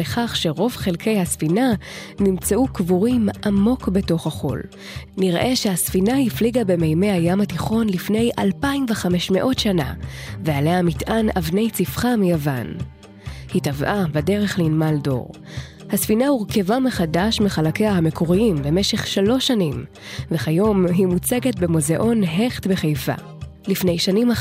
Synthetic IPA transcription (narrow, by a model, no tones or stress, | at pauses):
leχaχʃe̞ʁo̞vχelkʰe̞jhasfina | nimt͡seʔukvuʁimʔamo̞kbe̞to̞χhaχo̞̰l | niʁʔe̞ʃehasfinahifliɡabe̞me̞jme̞jhajamhatiχo̞nlifne̞jʔalpaimveχameʃme̞̰ʔo̞tʃana̰vealeamitʔanavne̞jt͡sifχamijava̰n | hitavʔabede̞ʁe̞χlinmaldo̞̰ʁ | hasfinahuʁke̞vameχadaʃmeχalake̞jahame̞kʰo̞ʁiimbe̞me̞ʃe̞χʃalo̞ʃanim | veχajo̞mɦimut͡seɡe̞tbemo̞ze̞ʔo̞nɦe̞χtbeχejfa̰ | lifne̞jʃanima